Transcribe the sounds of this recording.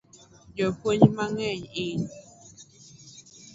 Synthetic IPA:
jopəɲmaŋeɲin

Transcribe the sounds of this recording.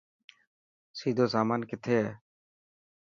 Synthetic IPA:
sid̪ʱoːsaːmaːnkɪt̪ʰe

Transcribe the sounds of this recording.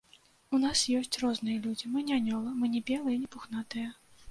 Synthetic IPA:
unasjɔsʲt͡sʲrɔznɨjɐlʲud͡zʲimɨnʲanʲɔlˠɐmɨnʲɛbʲɛlˠɨjɐnʲɛpuxnat̪ɨjɐ

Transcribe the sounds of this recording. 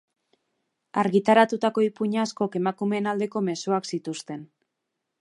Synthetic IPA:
aɾɣit̪aɾat̪ut̪ako̞ipuɲasko̞ke̞makume̞ːnald̪e̞ko̞me̞suaksit̪ust̪e̞n

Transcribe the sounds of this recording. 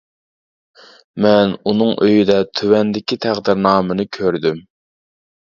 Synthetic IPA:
mɛnunɨŋʔøjd̪ɛt̪ʰywɛnd̪ɪkʲit̪ʰæχd̪ɪɾnɑːmɨnɨkʲʰøɾd̪ym

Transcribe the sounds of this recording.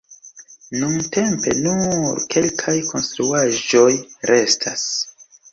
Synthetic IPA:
nunte̞mpe̞̰nuɾkʰe̞lkʰajkʰo̞nstɾuaʒo̞jɾe̞stʰas

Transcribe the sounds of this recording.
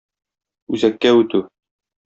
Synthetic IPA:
ʉzækːæʉt̪ʉ

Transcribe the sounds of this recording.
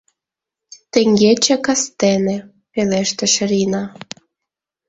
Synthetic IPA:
t̪ĕŋʲɡet͡ɕekɑst̪enĕ | peleʃt̪ĕʃ̆ɾinɑ

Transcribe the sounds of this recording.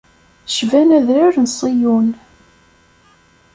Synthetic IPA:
ʃvænæðɾaɾnsˤijun

